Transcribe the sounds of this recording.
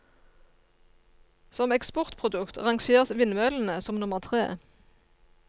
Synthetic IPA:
sɔmɛkspɔʁt̪pʰʁʊd̪ʉkt̪ʰʁɑŋʃeːʁsʋɪnmøːln̩əsɔmnʊməʁt̪ʰʁḛː

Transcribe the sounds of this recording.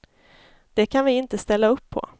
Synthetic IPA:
d̪̥ɛkʰanvɪɪnt̪əst̪ɛlːaɵpʰːɔ̰

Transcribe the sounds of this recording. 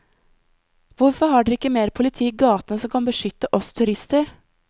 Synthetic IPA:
ʋʊɾfɔɾhɑːɖʉːɪkːəmeːɾpʰʊlɪt̪ʰiːɡɑːt̪ənəsɔmkʰɑnbəʂʏt̪ːəʔɔst̪ʰʉɾɪst̪əɾ

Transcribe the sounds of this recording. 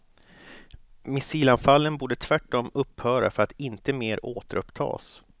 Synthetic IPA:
mɪsiːlanfalːənbuːɖət̪ʰvæʈːɔmɵpːhœːɾa̰fœɾat̪ɪnt̪əmeːɾoːt̪əɾɵpt̪ʰɑ̰ːs

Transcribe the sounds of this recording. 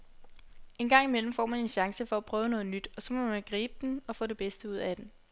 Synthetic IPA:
e̝nɡ̥ɑ̈ŋ̰imel̰m̩fɒ̰ːmæne̝nɕɑ̈ŋsəfɒ̽æpʰʁœːʊənɔ̽ːð̞ˠnyd̥ɒ̽sɒ̽mɒmænɡ̥ʁḭːb̥̚əd̥enɒ̽fɔ̰̽ːd̥e̝b̥esd̥əuð̞̰ˠæd̥en

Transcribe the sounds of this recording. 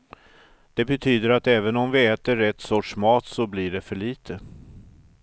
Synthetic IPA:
d̪̥ɛbɛt̪ʰyːd̪əɾat̪ɛːvənɔmvɪɛːt̪əːɛt̪ːsɔʈʂmɑːt̪sɔblɪɖɛfœɭiːt̪ʰə

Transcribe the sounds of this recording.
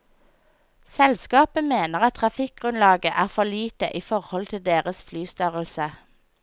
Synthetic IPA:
sɛlskɑːpəmeːnəʁɑt̪̚ʰʁɑfɪk̚ɡ̥ʁʉnlɑːɡəʔæːʁfɔliːt̪əʔiːfɔʁhɔlt̪ʰɪld̪eːʁəsflyːst̪œʁəlsə

